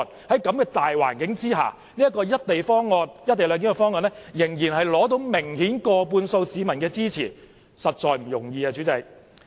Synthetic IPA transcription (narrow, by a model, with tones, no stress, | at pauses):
n̚ | hɐ˨˥jkɐ˨˥mkɛː˧t̪aː˨jwa̰ː˨˩nkɪ˨˥ŋt͡siː˥ɦa̰ː˨ | niː˥ɐ˥kːɔː˧jɐ˥t̚t̪e˨jfɔː˥ŋːɔː˧njɐ˥t̚t̪e˨jlœː˨˧ŋki˨˥ŋkɛ˧fɔː˥ŋːɔː˧nlɛ˥jɪ˨˩ŋjiː˨˩nɦɐ˨jlɔː˨˥t̪̬o˨˥wmɪ˨˩ŋhiː˨˥nkɔː˧puː˧nso˧wsiː˨˧mɐ˨˩nkɛː˧t͡siː˥t͡sʰiː˨˩ | sɐ˨t̚t͡ʃɔː˨jm̩˨˩jʊ˨˩ŋjiː˧aː˧t͡ʃyː˨˥t͡sɐ˧j